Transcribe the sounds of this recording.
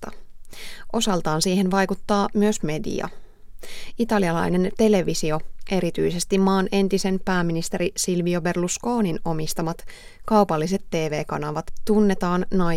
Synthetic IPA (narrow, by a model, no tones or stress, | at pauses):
t̪ɑ̰ | ʔo̞sɑlt̪ɑːnsiːhenʋɑjkut̪ːɑːmyøsme̞dḭɑ̰ | it̪ɑliɑlɑ̰jne̞nt̪e̞le̞ʋisio̞ʔe̞ɾit̪yjse̞st̪immɑːnʔe̞nt̪ise̞npæːminist̪e̞ɾisilʋio̞be̞rlusko̞ːnino̞mist̪ɑmɑt̪ | kɑwpɑlːise̞t̪ːe̞ːʋe̞ːkɑnɑʋɑt̪t̪unːe̞t̪ɑːnnɑ